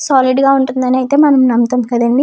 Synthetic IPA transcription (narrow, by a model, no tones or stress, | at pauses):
saːliɖɡaːuɳʈund̪ɐniɐjit̪e̞ːmɐnɐmnɐmt̪ɐmkɐd̪ɐnimi